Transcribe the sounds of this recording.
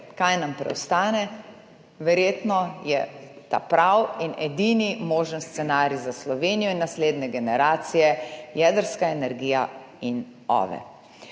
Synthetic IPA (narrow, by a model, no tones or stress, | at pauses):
kajnampɾɛ̰wst̪aːnɛ | ʋɛɾjeːt̪nɔjɛt̪a̰ːpɾawinɛd̪iːnimoːʒənst̪sɛnaːɾizaslɔʋeːnijɔinːasleːd̪nɛɡɛnɛɾaːt̪sijɛjɛd̪əɾskaɛnɛɾɡija | in | ɔ̰ːʋɛ̰